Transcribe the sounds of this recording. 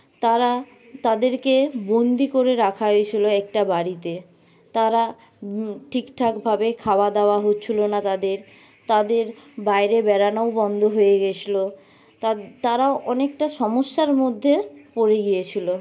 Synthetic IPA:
t̪aɾa | t̪ad̪eɾkebond̪ikoɾeɾakʰaɦoet͡ɕʰiloɛk̚ʈabaɽit̪e | t̪aɾa | ʈʰikʈʰakbʱabekʰabad̪aoaɦotːɕʰilonat̪ad̪eɾ | t̪ad̪eɾbajɾebɛɾanoobɔnd̪ʱoɦojeɡet͡ɕʰilo | t̪aɾaoʔɔnek̚ʈaʃɔmoʃːaɾmod̪ʱːepoɾeɡijet͡ɕʰilo

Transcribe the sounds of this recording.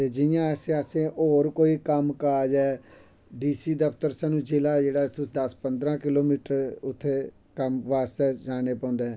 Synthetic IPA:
t̪eːd͡ʒɪjãːɛsẽəsẽːʔoːɾkoːiːkəmkaːd͡ʒɛː | ɖiːsiːd̪əpʰt̪əɾsɛːnũːd͡ʒɪlaːd͡ʒeːɽaːt̪ʊd̪əspənd̪ɾãːkɪloːmiːʈəɾʊt̪ʰːeː | kəmʋaːst̪ɛːd͡ʒaːneːpɔ̃ːnd̪eːɛː

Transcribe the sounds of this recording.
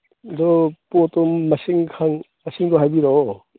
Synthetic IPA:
d̪ɔpotɔmːɐsiŋkʰaŋ | ɐsiŋdɔɦajbiɾɔ

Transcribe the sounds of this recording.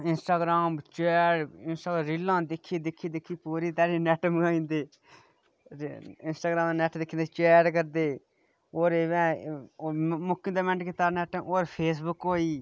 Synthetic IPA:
ɪnsʈaːɡɾaːmt͡ʃɛːɾɪnsʈaːɡɾɪlːãːd̪ɪkʰːiːd̪ɪkʰːiːd̪ɪkʰːiːpuːɾiːt̪aːɾiːnɛːʈəmɡãːĩːnd̪eː | ɪnsʈaːɡɾãːmnɛːʈʰd̪ɪkʰːĩːnd̪eːt͡ʃɛːɖkəɾd̪eː | oːɾeʋɛ̃ː | mʊkːĩnd̪aːmɛ̃ɳʈket̪aːɾnɛːʈə̃oːɾpʰeːs̬bʊkɦoːiː

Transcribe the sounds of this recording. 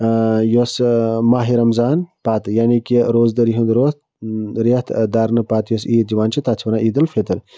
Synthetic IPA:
josmaːɦiɾɐmzaːnpaːt̪jaːnikiɾoːzd̪ɐɾiɦund̪ɾoː | ɾiɐht̪ʰd̪aːɾnɨpaːt̪joːsiːd͡ʒɐʋaːnt͡ʃʰit̪at͡sʰʋɐnaːʔiːd̪ɨlfʰet̪ɨɾ

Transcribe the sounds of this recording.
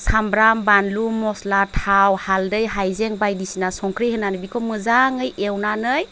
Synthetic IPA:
sambɾambanlumɔslatʰawhaldɯjɦajzeŋbajdisinasɔŋkʰɾihɯnanɯbikʰɔmɯzaŋɯjʔewnanɯj

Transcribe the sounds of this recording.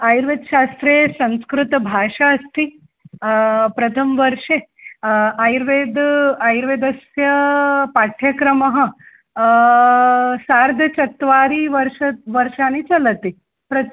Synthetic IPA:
ajɾʋed̪ʃast̪ɾesɐ̃w̃skɾut̪bʱaʂaːst̪i | pɾɐt̪ʰəmʋəɾʂe | ajɾʋed̪ajɾʋed̪əsjɐpaʈʰjɐkɾɐmɐɦə | saɾd̪ʱət͡ɕɐt̪ʋaɾiːʋəɾʂɐʋəɾʂanit͡sɐlət̪i | pɾɐt̪

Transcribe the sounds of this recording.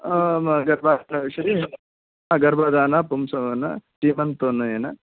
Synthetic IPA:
ɡɐɾbʱaɐʃɐɾiːɦɐn | aɡɐɾbʱad̪aːnɐpumsɐʋɐnɐ̰ʈimɐnt̪onɐeːnɐ

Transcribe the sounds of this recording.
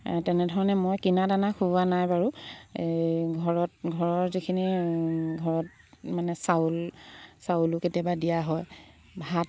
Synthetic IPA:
tɛnɛdʱɔɹɔnɛmɔjkinadanakʰuanajbaɹu | ɡʱɔɹɔt̚ɡʱɔɹɔɹzikʰiniɡʱɔɹɔt̚ | manɛsaulsaulʊketijabadijaɦɔj | bʱat̚

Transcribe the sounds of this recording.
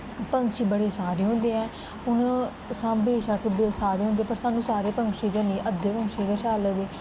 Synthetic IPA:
pəŋkʃiːbəɽeːsaːɾeːɦʊ̃ːnd̪eːɛ̃ː | ʊn | sãːmbeːʃəkbesaːɾeːɦõnd̪ẽːpəɾsaːnːũːsaːɾeːpəŋkʃiːd͡ʒ̪anĩːʔəd̪eːpəŋkʃeːd̪aːʃaːləd̪eː

